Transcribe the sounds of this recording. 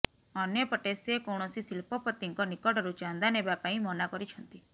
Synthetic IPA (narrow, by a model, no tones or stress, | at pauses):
ɔnjɔpɔʈesekɔwɳ̃ɔsisilpɔpɔt̪iŋkɔnikɔʈɔɾut͡ʃand̪anebapaĩmɔnakɔɾit͡ʃʰɔnt̪i